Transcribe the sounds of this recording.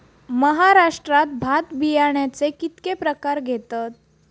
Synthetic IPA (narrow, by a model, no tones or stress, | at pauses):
məɦaɾaʂʈɾat̪̚bʱat̪bijaɳjat͡sekit̪kepɾəkaɾɡʱet̪at̪̚